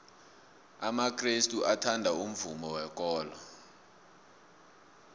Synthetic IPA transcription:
amakʰrestʼuʔatʰandʱaum̩vumɔwɛk̬ʼɔːlɔ

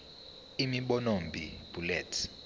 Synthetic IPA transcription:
imiɓɔnombʱib̥ʱulɛːtʰ

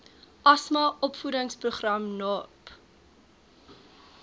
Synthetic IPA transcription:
ʔɐsmɐʔɔpfudəŋspruχrɐmnɔp

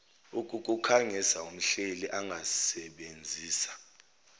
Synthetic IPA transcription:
ukʼuk̬ʼukʰaŋɛsaum̩ɬeliʔaŋɡʱasɛɓend͡zʱiːsḁ

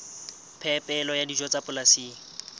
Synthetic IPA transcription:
pʰɛpʼɛlɔjadid͡ʒwɔt͡sapʊlasiːŋ̩

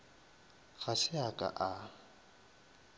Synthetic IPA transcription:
ɣasɪakʼa̰ʔa

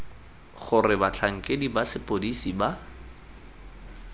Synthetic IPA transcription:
χʊrɪbat͡ɬʰaŋ̩kʼedibasɪpʼodisiba

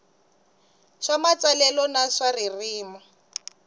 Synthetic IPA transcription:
ʂamat͡salɛlɔnaʂaririːmɔ

